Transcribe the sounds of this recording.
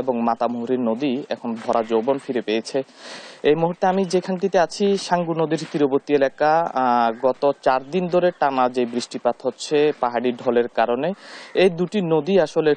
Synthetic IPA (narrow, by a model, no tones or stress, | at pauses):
eboŋmat̪amuɦuɾiɾnod̪iɛ̰kʰonbʱɔɾad͡ʑobonfiɾepejet͡ɕʰeejmuɦuɾt̪eamid͡ʑekʰanʈit̪eat͡ɕʰiʃaŋɡuɾnod̪iɾt̪iɾoboɾt̪ielakaɡɔt̪ot͡ɕaɾd̪ind̪ʱoɾeʈanad͡ʑejbɾiʃʈipat̪ʰɦotːɕʰepaɦaɽiɖʱɔleɾkaɾoneejd̪uʈinod̪iaʃole